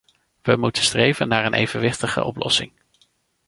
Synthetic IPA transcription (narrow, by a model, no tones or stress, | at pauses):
ʋəmutənstrejvənːaːɹənʔejvənʋɪχtəχə̰ʔɔplɔ̰sɪŋ